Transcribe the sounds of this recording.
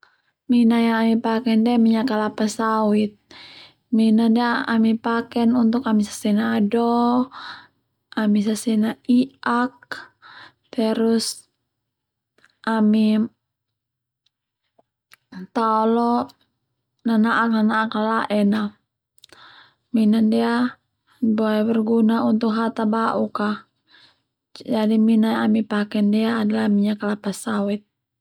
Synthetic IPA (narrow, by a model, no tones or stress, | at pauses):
minajaŋamipakɛndɛmiɲakalapasawit̪̚ | minadɛaamipakɛnunt̪ukamisḁsɛnaːdɔ | amisasɛnaiak̚ | t̪ɛɾus | ʔami | t̪aolɔ | nanaʔak̚nanaakalaʔɛna | minandia | boɛbərɡunaunt̪ʊkɦat̪abaʔuka | d͡ʒadiminanamipakɛndiaːdalamiɲakalapasawit̪̚